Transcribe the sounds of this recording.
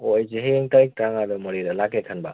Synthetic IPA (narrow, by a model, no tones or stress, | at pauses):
ojzeɦeŋtajk̚taŋadɔmɔɾiɾɐlakekʰɐnba